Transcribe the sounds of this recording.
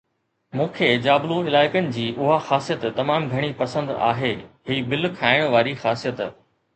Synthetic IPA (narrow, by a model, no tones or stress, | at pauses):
mũːkʰed͡ʑaːblũɪlaːɪkənɪ̆d͡ʑiːʔʊɦaxaːsijət̪t̪ɐmaːmɡʱɐɽ̃ipɐsə̃nd̪a̰ːɦeːɦiːbɪlkʰaːɪɽ̃ʋaːɾixaːsijət̪